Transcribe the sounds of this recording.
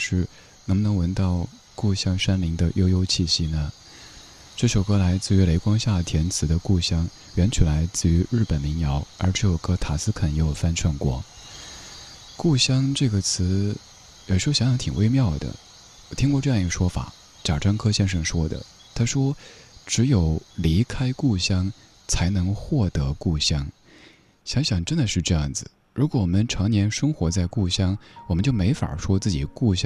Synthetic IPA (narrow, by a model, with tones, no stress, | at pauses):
ʂɻ̩˥˩ | nə˧˥ŋ˧nɤ˧˥ŋwə˧˥nt̪ɑ˥˧ʊ | ku˥˩ɕjɑ˥ŋʂa˥nli˧˥ŋd̪ə˧jo˥ʊjo˥ʊt͡ɕʰi˥˩ɕi˥nə˨˩ | ʈ͡ʂɤ˥˩ɕjo˨˩ʊkʰɤ˥la˧˥ɪt͡sɹ̩˥˩y˧˥le˧˥ɪkwɑ˥ŋɕja˥˩t̪ʰjɛ˧˥nt͡sʰɹ̩˧˥d̪ə˧ku˥˩ɕjɑ˥ŋ | ɥɛ˧˥nt͡ɕʰy˨˩la˧˥ɪt͡sɹ̩˥˩y˧˥ɻɻ̩˥˩pə˨˩nmi˧˥ŋjɑ˧˥ʊə̰˞˧˥ʈ͡ʂ̩ʰ˥˩jo˨˩ʊkʰɤ˥t̪ʰa˨˩sɹ̩˥kʰə˨˩njɛ˧˥jo˨˩fa˥nʈ͡ʂʰwa˥˩nkwɔ̰˧˥ | ku˥˩ɕjɑ˥ŋʈ͡ʂɤ˥˩ɡə˩t͡sʰɹ̩˧˥ | jʂɻ̩˧˥˧jɑ˥ŋɕjɑ˧˥t̪ʰŋwʔe˥˧ɪmjɑ˥˩ʊd̪ə̰˩ | t̪ʰi˥ŋkwɔ˥˧ʈ͡ʂɤ˥˧jɑ˥˩ŋi˧˩ɡə˩ʂwɔ˥fa̰˨˩˦ | ʈ͡ʂa˨˩ʈ͡ʂʰɑ˥ŋkʰɤ˥ɕjɛ˥nʂɤ˥˩ŋʂwɔ˥d̪ə̰˨ | t̪ʰa˥ʂwɔ˥ʈ͡ʂɻ̩˧˥jo˨˩ʊli˧˥kʰa˥ɪku˥˩ɕjɑ˥ŋ | t͡sʰa˧˥ɪnɤ˧˥ŋxwɔ˥˩t̪ɤ˧˥ku˥˩ɕjɑ˥ŋ | ɕjɑ˧˥ŋɕjɑ˨˩ŋʈ͡ʂə˥nd̪ə˨ʂɻ̩˥˧ʈ͡ʂɤ˥˧jɑ˥˩ŋd͡zɹ̩˨˩ | ɻu˧˥kwɔ˧˥wɔ˨˩mə˧˦nʈ͡ʂʰɑ˧˥ŋnjɛ˧˥nʂɤ˥ŋxwɔ˧˥t͡sa˥˧ɪku˥˩ɕjɑ˥ŋwɔ˨˩mə˦nt͡ɕjo˥˩ʊme˧˥ɪfa̰˨˩ʂwɔ˥t͡sɹ̩˥˩t͡ɕi˨˩˦ku˥˩ɕj